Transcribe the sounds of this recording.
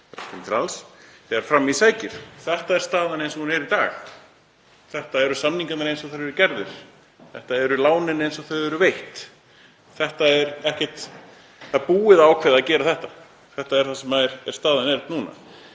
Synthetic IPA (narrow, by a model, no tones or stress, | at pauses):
ɾat̪ɪnt̪ɾalsɛɣaɾfɾamːisaːjcɪɾ̥θɛht̪aɛ̥st̪aːðanejnsɔhunɛɾit̪aːx | θɛht̪aɛɾʏsamniŋkat̪naɾejnsɔθœɾɛɾcɛɾðɪɾ̥ | θɛht̪aɛɾʏlaːwnɪnːɪejnsɔθœðɛɾʏvejht̪ | θɛht̪aɛɾɛhcɛht̪ | θaðpuːɪðawkʰvɛðaðcɛːɾaθɛht̪a | θɛht̪aɛɾ̥θasɛmaɛɾɛ̥st̪aːðanɛɾt̪nuːna̰